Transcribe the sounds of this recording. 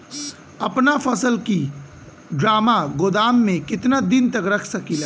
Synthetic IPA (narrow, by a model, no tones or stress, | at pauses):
ɐpnafʰɐsəlki | ɖɾaːmaɡʊd̪aːmːẽkɪt̪nad̪ɪnt̪ɐkɾɐkʰsɐkila